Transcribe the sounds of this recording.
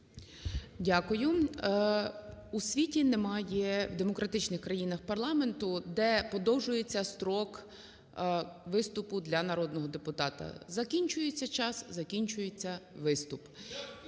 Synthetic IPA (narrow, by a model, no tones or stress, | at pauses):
dʲakʊjʊ | usʲʋʲitʲinemɑjɛwd̪emɔkɾʔɐt̪ɪt͡ʃnɪxkɾɐjinɐxpɐrlˠɑme̞nt̪ʊd̪ɛpɔd̪ɔwʒʊjet͡sʲːɐst̪ɾɔk | ʋɪst̪ʊpʊd̪lʲɐnɐɾɔd̪nɔɦɔd̪epʊt̪ɑt̪ɐ̰zɐkʲinʲt͡ʃʊjet͡sʲːɐt͡ʃɑszɐkʲinʲt͡ʃʊjet͡sʲːɐʋɪst̪ʊp